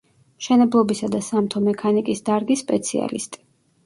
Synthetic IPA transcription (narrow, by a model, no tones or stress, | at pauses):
mʃɛnɛblˠɔbisad̪asamt̪ʰɔmɛkʰanikʼisd̪aɾɡispʼɛt̪sʰia̰lḭst̪ʼi̥